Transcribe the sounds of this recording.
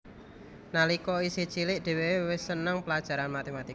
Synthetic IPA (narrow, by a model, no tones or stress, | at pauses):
nalikɔisit͡ʃilɪʔd̥e̤wewɪsːənəŋpəlad̥ʒ̥a̤ɾanmat̪emat̪i